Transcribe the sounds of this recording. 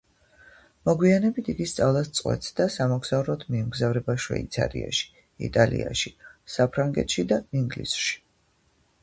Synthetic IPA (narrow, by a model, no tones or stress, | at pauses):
mɔɡwianɛbit̪ʰiɡist̪sʼavlˠast̪sʼqʼwɛ̰t̪sʰd̪asamɔɡz̥aɾɔt̪ʰmiɛmɡzavɾɛbaʃwɛ̰it̪sʰa̰ɾḭa̰ʃi̥ | ḭt̪ʼalḭa̰ʃisapʰɾaŋɡɛ̰t̪ʃid̪aiŋɡlḭsʃi̥